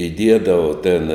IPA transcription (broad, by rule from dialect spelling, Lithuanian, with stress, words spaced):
ɪˈdʲiɛdɐʋoː tʲɛn